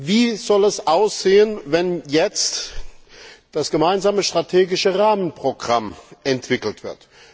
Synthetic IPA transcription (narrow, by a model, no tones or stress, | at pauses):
viːz̥ɔlɛsʔaʊsz̥eːənvɛnjɛt͡st | d̥asɡ̥əmaɪnzaːməʃtʁ̥atʰeːɡɪʃəʁaːmənpʁ̥oɡʁa̰mʔɛntv̥ɪkl̩tv̥ɪ̰ɐt